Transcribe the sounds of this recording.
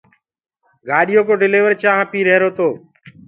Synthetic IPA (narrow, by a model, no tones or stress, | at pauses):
ɡaːɗɪjoːkoːɖɪleːʋəɾt͡ʃaːɦãːpiːɾeːɾoːt̪oː